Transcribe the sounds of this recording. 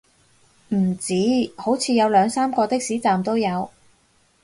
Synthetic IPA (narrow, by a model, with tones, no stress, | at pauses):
m̩˨˩t͡siː˨˥ho˨˥wt͡sʰiː˨˧jɐ˨˧wlœː˨˧ŋsaː˥mkɔː˧t̪ɪ˥k̚siː˨˥t͡saː˨mt̪o˥wjɐ˨˧w